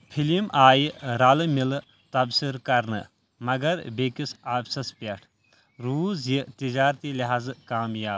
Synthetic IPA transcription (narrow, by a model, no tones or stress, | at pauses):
pʰilimʔaːjɾaːlɨmil | t̪ɐbsiɾkɐɾnɨ̰ | mɐɡɐɾbekisaːbsɐspʲeʈʰ | ɾuːzjit̪id͡ʒaːɾt̪iliɦaːzkaːmjaːb